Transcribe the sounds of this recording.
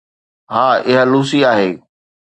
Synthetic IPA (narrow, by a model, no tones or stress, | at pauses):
ɦaːɪɦəluːs̬iaːɦeː